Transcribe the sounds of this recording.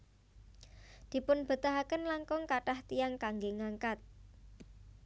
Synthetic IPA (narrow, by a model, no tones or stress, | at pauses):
d̪̥i̤pʊnb̥ə̤t̪aɦakənlaŋkɔŋkaʈaht̪iaŋkaŋɡeŋaŋkat̪̚